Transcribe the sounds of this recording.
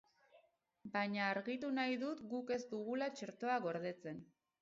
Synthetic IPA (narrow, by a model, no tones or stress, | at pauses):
baɲaːɾɣit̪unajðut̪ɡuke̞zd̪uɣulat͡ʃe̞ɾt̪o̞aɣo̞ɾðe̞t͡se̞n